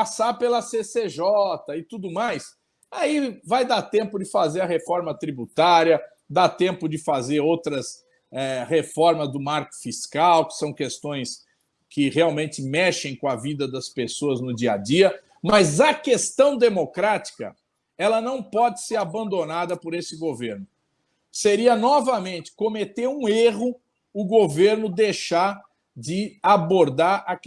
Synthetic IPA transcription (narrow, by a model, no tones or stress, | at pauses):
pasaɾpelɐseseʒɔt̪ɐɪt̪ud̪ʊmajs | aivajd̪at̪ẽmpʊd͡ʒɪfazeɾɐɦefɔɾmɐt̪ɾibut̪aɾjɐ | d̪at̪ẽmpʊd͡ʒɪfazeɾowt̪ɾɐs | ɛhefɔɾmɐzd̪ʊmaɾkʊ̥fiskawkɪ̥sɐ̃w̃kest̪õj̃s | kʰɪheawmẽnt͡ʃɪmɛʃẽj̃kõɐvid̪ɐd̪ɐspesoɐznʊd͡ʒiɐ̰d͡ʒiɐ | mɐzɐkest̪ɐ̃w̃d̪emokɾat͡ʃi̥kɐ̰ | ɛlɐnɐ̃w̃pɔd͡ʒɪseɾabɐ̃nd̪onad̪ɐpoɾesɪɡoveɾnʊ | seɾiɐnɔvɐmẽnt͡ʃɪ̥komet̪eɾũeɦʊ | ʊɡoveɾnʊd̪ejʃaɾ | d͡ʒɪaboɾd̪aɾɐk